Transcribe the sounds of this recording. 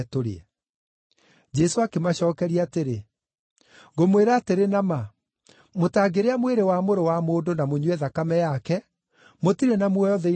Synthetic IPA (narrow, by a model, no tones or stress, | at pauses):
toɾḛɛ | d͡ʒɛsoakemaɕɔːkɛɾiateɾe | ɡomweɾaːteɾenama | motaːɡeɾeamweɾewamoɾowamoːdonamoɲwɛðakamɛjakɛ | motiɾɛnamwɛjɔðɛ